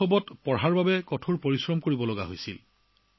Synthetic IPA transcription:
ɔbɔtpɔɹɦaɹbabɛkɔtʰuɹpoɹisɹɔmkoɹibɔlɔɡaɦojsil

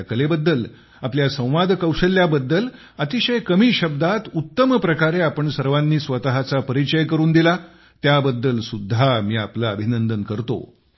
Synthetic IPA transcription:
kəlebəd̪ːəl | apljasə̃w̃ʋad̪ʱkəwɕəljabəd̪ːəl | ət̪iɕəjkəmiːɕəb̚d̪at̪ut̪ːəməpɾəkaɾeapəɳsəɾʋanːiːsʋət̪aɦat͡sapəɾit͡ɕəjkəɾuːnd̪ila | t̪jabəd̪ːəlsud̪ʱːamiːaplaəbʱinənd̪ənkəɾt̪o̰

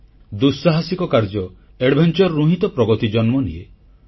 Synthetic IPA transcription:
d̪usaɦasikɔkaɾd͡ʒɔ | eɽbʱent͡ʃɔɾːuɦit̪ɔpɾɔɡɔt̪id͡ʒɔnmɔnie

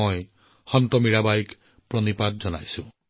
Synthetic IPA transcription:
ɔj | xɔntɔmiɹabajk | pɹɔnipat̚zɔna̰jsũ

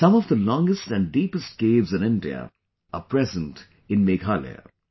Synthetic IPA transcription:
sʌ̃mɔvd̪əlɔ̃ŋɡəsʈæ̃nɖiːpəsʈ̚ɡ̥eːvzɨ̃nɪ̃ndḭə̰ | əpɾɛzə̃nt | ɪ̃nmeɡʰalḛ

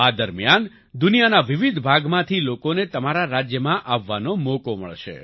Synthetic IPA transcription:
ad̪əɾmjan | d̪unijanaʋiʋid̪ʱbʱaɡmãt̪ʰilokonet̪əmaɾaɾad͡ʒjəmãʔaʋːanomokomə̰ɭʃḛ

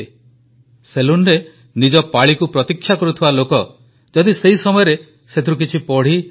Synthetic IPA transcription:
selunɾe | nid͡ʒɔpaɭikupɾɔt̪ikʰːjakɔɾut̪ʰibalokɔ | d͡ʒɔd̪isejsɔmɔjɔɾe | set̪ʰiɾuk̬it͡ʃʰipɔɽ̤i

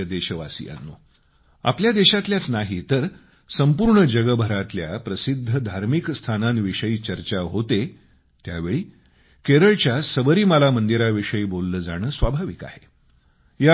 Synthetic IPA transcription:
d̪eɕəʋasḭːa̰nːu | a̰pljad̪eɕat̪ljat͡snaɦit̪əɾ | səmpuːɾɳəd͡ʑəɡəbʱəɾat̪lja̰pɾəsid̪ʱːəd̪ʱaɾmikst̪ʰananʋiʂəiːt͡ɕəɾt͡ɕaɦot̪e | t̪jaʋeɭiː | keɾəɭt͡ɕjasəbəɾiːməlamənd̪iɾaʋiʂəiːbolːəːd͡zaɽ̃əːsʋabʱaʋika̰hḛ | ja

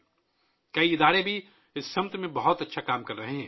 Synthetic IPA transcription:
kɐiɪd̪aːɾebʱi | ɪsʃɐ̃mt̪mẽbɐɦʊt̪ɐtːʃʰakaːmkɐɾːɐɦeɦɛ̃ː

